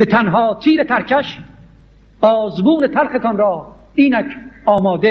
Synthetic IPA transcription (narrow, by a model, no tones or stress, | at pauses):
bet̪ʰænɦɒːt̪ʰiːɾet̪ʰæɾkʰæʃ | ɒːzmuːnet̪ʰæɾxet̪ʰɒnɾɒː | iːnækʰɒːmɒːd̪e